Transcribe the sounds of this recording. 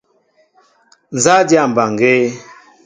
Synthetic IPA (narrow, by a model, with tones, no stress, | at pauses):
n̩˨za˦dja˨m̩˨ba˨ŋɡe˦